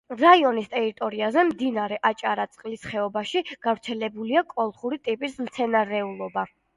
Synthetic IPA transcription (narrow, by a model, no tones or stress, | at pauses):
ɾaiɔnist̪ʼɛɾit̪ʼɔɾiazɛmd̪inaɾɛʔat͡ʃʼaɾat̪sʼqʼlisχɛɔbaʃiɡ̥avɾt̪sʰɛlɛbuliakʼɔlˠχuɾit̪ʼipʼismt̪sʰɛnaɾɛulˠɔba